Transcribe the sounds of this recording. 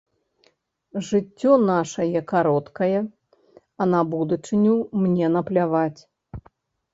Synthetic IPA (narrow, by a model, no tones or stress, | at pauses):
ʐɨt͡sʲːɔnaʂɐjɛkaɾɔt̪kɐjɛ | ɐnɐbud̪ut͡ʂɨnʲumnʲɛnɐplʲavat͡sʲ